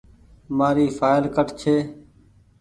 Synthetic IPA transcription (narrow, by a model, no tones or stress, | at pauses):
maːɾiːfʰaːɪlkəʈt͡ʃʰeː